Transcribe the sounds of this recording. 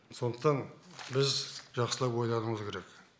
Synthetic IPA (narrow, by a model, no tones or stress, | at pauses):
so̞nd̪əqt̪ɑnbɪzʒɑqsəlˠɑpwojlˠɑnəɴəzkʲʰe̞ɾek